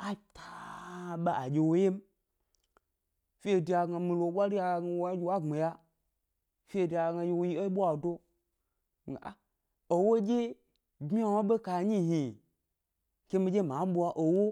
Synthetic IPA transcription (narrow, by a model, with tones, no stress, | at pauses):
a˦˨tʰa˨ɓa˦a˨d͡ʒʲe˧wo˦je˦m̩˦ | fi˦e˨di˨˧a˨ɡa˧mi˧lo˨˦ɓʷa˦ɾi˦ja˧˨ɡa˧˨wo˨˦a˦d͡ʒʲi˧˦wa˦˨ŋ͡me˨ja˦ | fi˦e˧˨di˨a˧˨ɡa˧je˧wo˦ji˦o˦ɓu˦a˨do˦˨ | a̰˨ | o˨wo˦d͡ʒe˦ | ɡ͡bi˦a˦wo˦ɓe˦ka˧˨ɲi˦ɦi˨ | ke˦mĩ˧˦d͡ʒe˦mã˨˦ɓu˦a˧ʔo˨wo˦